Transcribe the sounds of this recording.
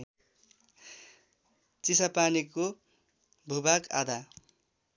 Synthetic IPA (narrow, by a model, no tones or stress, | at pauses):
t͡sisapaniko | bʱubaka̰d̪a